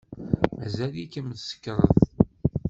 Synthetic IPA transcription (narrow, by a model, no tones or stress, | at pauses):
ʕzælikəmðsə̥kːɾˤəð